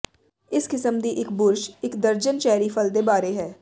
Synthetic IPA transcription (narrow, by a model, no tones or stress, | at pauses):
ɪskɪsəmd̪iʔɪkbʊɾʃɪkd̪əɾd͡ʒənt͡ʃɛːɾipʰəld̪ebaːɾeɦɛː